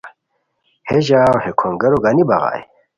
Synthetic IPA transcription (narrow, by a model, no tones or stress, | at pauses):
heʑaːwhekʰoŋɡɐɾoɡanibaɣa̰ːj